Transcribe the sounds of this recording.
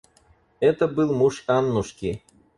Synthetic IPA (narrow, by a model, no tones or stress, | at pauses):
et̪ə̆bɨlˠmuʃɑnːuʃki